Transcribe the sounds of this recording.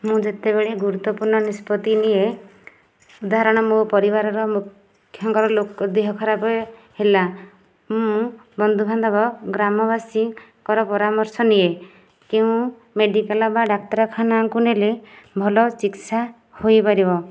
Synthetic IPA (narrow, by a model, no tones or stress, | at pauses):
mũd͡ʒet̪ebeɭeɡuɾut̪ːɔpuɾɳɔnispɔt̪inie | ud̪aɦaɾɔɽ̃ɔmopɔɾibaɾɔɾɔmukʰː | jɔŋkɔɾɔlokɔd̪eɦɔkʰɔɾabɔ | hela | mũbɔnd̪ʱubʱand̪ɔbɔɡɾamɔbasikɔɾɔpɔɾamɔɾsɔnie | keũ | meɖikalɔbaɖak̚ʈɔɾɔkʰanaŋkunelebʱɔlɔsiksa | hojpaɾibɔ